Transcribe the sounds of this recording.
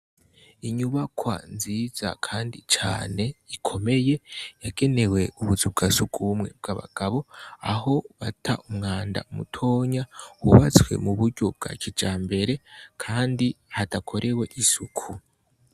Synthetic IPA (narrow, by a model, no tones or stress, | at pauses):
iɲuβakwa̰nziz̥a̰kʰaːndit͡ʃa̰ːne̞ikʰo̞me̞je̞jaɡe̞ne̞we̞uβuzub̚ɡasukʰumŋe̞b̚ɡ̥aβa̰ɡ̥aβo̞aɦo̞βatʰaʔumŋaːnda̰umṵtʰo̞ːɲawuβat͡swe̞̰muβuɾɟo̞b̚ɡ̥a̰ːcid͡ʒaːmbe̞ɾe̞kʰaːndihatakʰo̞ɾʔewe̞ʔisukʰu